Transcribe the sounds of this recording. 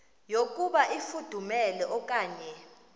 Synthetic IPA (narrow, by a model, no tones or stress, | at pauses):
jokʼuɓaʔifud̥ʱumɛlɛʔɔk̬ʼaːɲɛ